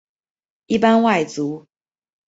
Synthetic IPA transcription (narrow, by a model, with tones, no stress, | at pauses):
i˥˨pa˦nwa˥˩ɪt͡su˨˦